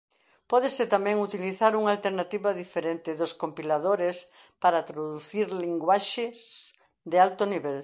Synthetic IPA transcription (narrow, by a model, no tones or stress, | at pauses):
pɔðeset̪amɛ̃ŋut̪iliθaɾuŋalt̪eɾnat̪iβaðifeɾent̪ɪðoskompilaðoɾespaɾat̪ɾoðuθiɾliŋɡwaʃɪs | d̪ealt̪oniβɛl